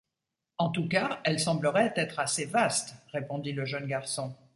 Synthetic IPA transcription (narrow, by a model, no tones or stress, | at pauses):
ɑ̃t̪ukaɛlsɑ̃bləʁɛt̪ɛt̪χasevast̪ʁepɔ̃d̪iləʒənɡaʁsɔ̃